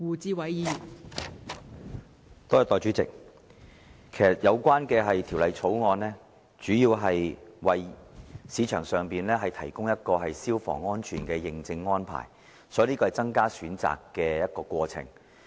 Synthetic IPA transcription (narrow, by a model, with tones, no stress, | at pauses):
wuː˨t͡siː˧wɐ˨˥jjiː˨˧ | t̪ɔː˥jɐ˧t̪ɔː˨˩t͡ʃyː˨˥t͡sɪ̰˨k̚ | kʰe˨˩jɐ˩t̚jʔɐ˨˧wkʷwaː˥nkɛː˧ɦɐ˨jt̪ʰi˨˩wlɐ˨jt͡sʰo˨˥wŋɔː˧nlɛː˥ | t͡ʃyː˨˥jiː˧wɦɐ˨jwɐ˨jsiː˨˧t͡ʃʰœː˨˩ŋsœː˨ŋpiː˨nlɛː˥ɦɐ˨jt̪ʰɐ˨˩jkʊ˥ŋjɐ˥t̚kɔː˧ɦɐ˨jsiː˥wfɔ̰ː˨˩ŋːɔː˥nt͡ʃʰyː˨˩nkɛː˧jɪ˨ŋt͡sɪ˧ŋːɔː˥npʰa̰ː˨˩j | sɔː˨˥liː˥kɔː˧hjt͡sɐ˥ŋkaː˥syː˨˥nt͡sa̰ː˨kːɛː˧jɐ˥t̚kɔː˧kwɔː˧t͡sʰɪ̰˨˩ŋ